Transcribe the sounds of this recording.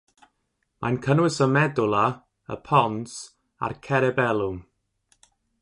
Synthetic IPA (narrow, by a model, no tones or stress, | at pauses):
mʔankʰənwɪsəmɛdʊlˠa | ə̰pʰɔns | a̰rkʰɛɾɛbɛlˠʊm